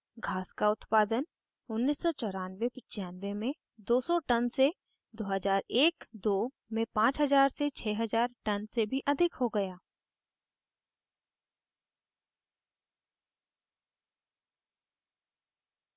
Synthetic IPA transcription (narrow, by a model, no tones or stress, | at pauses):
ɡʱaːskaʊt̪paːd̪ən | ʊnːiːsːɔt͡ʃɔːɾaːnʋepɪt͡ʃːjaːnʋemẽ | d̪oːsɔʈənse | d̪oːɦəzaːɾeːkd̪oː | mẽpãːt͡ʃɦɐzaːɾset͡ʃʰɛːɦɐzaːɾʈɐnsebʱiʔɐd̪ʱɪkɦoɡɐjaː